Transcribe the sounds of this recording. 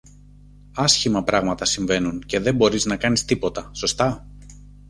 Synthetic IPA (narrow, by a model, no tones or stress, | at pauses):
ɐsçimɐpɾɐɣmɐt̪ɐsiɱve̞nunce̞ðe̞mbo̞ɾiznɐkɐnist̪ipo̞t̪ɐso̞st̪ɐ